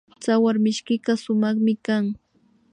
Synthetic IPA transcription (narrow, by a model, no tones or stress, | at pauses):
t͡sawaɾmɪʃkɪkɑsʊmɑχmɪkaŋ